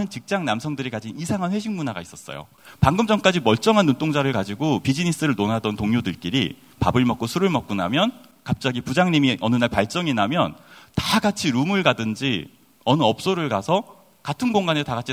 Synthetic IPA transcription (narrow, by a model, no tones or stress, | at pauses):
ɯnt͡ɕik̚t͡ɕ͈aŋnamsʰʌŋdɯɾikad͡ʑinisʰaŋɦanɸwe̞ɕʰiŋmunaɡais͈ʌs͈ʌ̰jo̰ | paŋɡɯmd͡ʑ͈ʌŋk͈ad͡ʑimʌɭt͡ɕ͈ʌŋɦanːunt͈oŋd͡ʑaɾɯɭkad͡ʑiɡopid͡ʑinis͈ɯɾɯɭnonadʌntoŋɲjodɯɭk͈iɾi | pa̰bɯɭmʌk͈osʰuɾɯɭmʌk̚k͈una̰mjʌn | kap̚t͡ɕ͈aɡipud͡ʑaŋɲimiʔʌnɯnaɭpaɭt͡ɕ͈ʌŋinamjʌntaɡat͡ɕʰiɾumɯɭɡadɯnd͡ʑi | ʌnɯʌp̚s͈oɾɯɭkasʰʌ | katʰɯnɡoŋɡanetaɡat͡ɕʰi